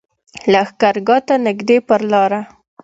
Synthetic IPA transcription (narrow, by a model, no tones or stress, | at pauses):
laxkaɾɡɑt̪anɪɡd̪epəɾlɑɾa